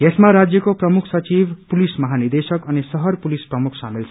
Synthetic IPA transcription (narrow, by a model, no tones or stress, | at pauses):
esmaɾad͡zjʌkoprʌmukʰsʌt͡sibpulismʌɦanird̪esʌkʌnisʌɦʌrpulisprʌmukʰsamilt͡sʰ